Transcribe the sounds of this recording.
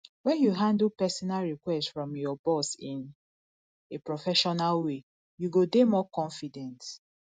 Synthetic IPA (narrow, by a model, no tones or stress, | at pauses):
wɛ̃njuɦãndl̩pɛsɔnalɹikwɛstfɹɔ̃mjɔbɔsĩn | epɹɔfɛʃɔnalwe | juɡodemɔkɔ̃ɱfidɛ̃nt